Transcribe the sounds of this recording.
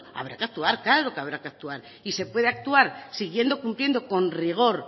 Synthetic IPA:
a̰β̞ɾa̰keak̚t̪uaɾkaɾo̞keaβ̞ɾakeak̚t̪uaɾ | ise̞pwe̞ðe̞ak̚t̪uaɾsiɣ̞je̞nd̪o̞kumplje̞nd̪o̞ko̞nriɣ̞o̞ɾ

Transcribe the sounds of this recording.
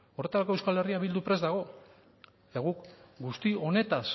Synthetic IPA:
o̞re̞t̪aɾako̞ewskale̞riaβild̪upɾe̞zd̪aɣ̞o̞ | et̪aɣ̞ukɡust̪io̞ne̞t̪as

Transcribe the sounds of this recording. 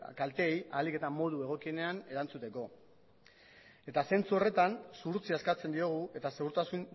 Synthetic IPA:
kalt̪eja̰like̞t̪amo̞ðue̞ɣ̞o̞kie̞ne̞ane̞ɾant͡sut̪e̞ko̞ | e̞t̪ase̞nt͡suo̞re̞t̪ansuɾt͡siaskat͡se̞nd̪io̞ɣ̞uʔe̞t̪ase̞ɣuɾt̪asun

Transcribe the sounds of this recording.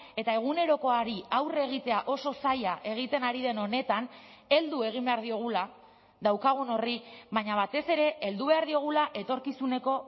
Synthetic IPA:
e̞t̪ae̞ɣ̞une̞ɾo̞ko̞aɾiawre̞ɣ̞it̪e̞aʔo̞so̞sajaʔe̞ɣ̞it̪e̞naɾiðe̞no̞ne̞t̪ane̞ld̪ue̞ɣ̞imbe̞aɾðio̞ɣ̞ula | ðawkaɣ̞uno̞riβaɲaβ̞at̪e̞se̞ɾe̞ʔeld̪uβe̞aɾðio̞ɣ̞ulaʔe̞t̪o̞ɾkisune̞ko̞

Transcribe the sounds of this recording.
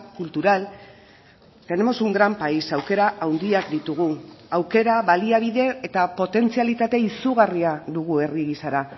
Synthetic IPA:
kult̪uɾal | k̪aenemosuŋɡɾampaisawke̞ɾaʔawnd̪iakd̪it̪uɣ̞uawke̞ɾaβaliaβ̞iðe̞ːt̪apo̞t̪e̞nt͡sialit̪at̪e̞isuɣ̞ariaðuɣ̞ue̞riɣisaɾa

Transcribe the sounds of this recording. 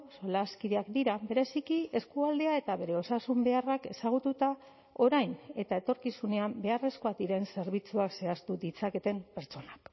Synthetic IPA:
so̞laskiðeakd̪iɾabe̞ɾe̞sikie̞skuald̪e̞ae̞t̪aβe̞ɾe̞o̞sasumbe̞arake̞saɣ̞ut̪ut̪a | o̞ɾajne̞t̪ae̞t̪o̞ɾkisune̞ambe̞are̞sko̞ad̪iɾe̞nse̞ɾβ̞it͡suakse̞ast̪ud̪it͡sake̞t̪e̞mpe̞ɾt͡ʃo̞nak

